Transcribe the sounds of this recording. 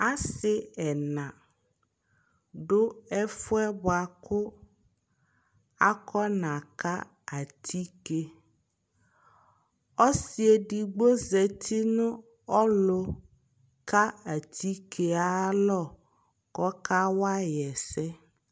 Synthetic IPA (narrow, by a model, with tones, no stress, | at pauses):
a˦sɪ˦ɛ˨nã˨ | ɖʊ˦ɛ˦fʊ˦ɛ˦ba˨kʊ˦ | a˦kɔ˦nã˨ka˦ | a˨t̪ʰi˦ke˨ | ɔ˦si˨e˨ɖi˨ɡ͡bo˦zɛ˨t̪ʰi˦nʊ̃˦ | ɔ˦lo˦ | ka˦a˨t̪ʰi˦kʰe˨a˦lɔ˦˨ | kɔ˦ka˦wa˦jɛ˨sɛ˦